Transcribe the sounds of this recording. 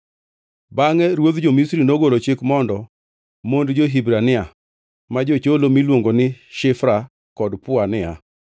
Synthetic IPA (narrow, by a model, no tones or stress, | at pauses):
baŋɛɾwod̪d͡ʒomisɾinoɡolot͡ʃekmɔndɔ | mondd͡ʒoɦibɾanɪa | mad͡ʒot͡ʃolomilwoŋɡonɪʃɪfɾa | kɔdpʊanɪa